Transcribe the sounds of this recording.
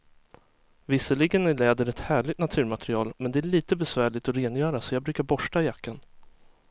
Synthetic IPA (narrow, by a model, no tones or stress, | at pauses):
vɪsːəɭɪɡənɪlɛːd̪əɾɛt̪hæːɭɪt̪nat̪ʰʉ̟ːɾmat̪ʰɾɪɑːlmɛnd̪ɛæɭiːt̪əbɛsvæːɭɪt̪ɔɾeːnjœːɾasɔjɑɡbɾʉːkaɾbɔʂʈajakːan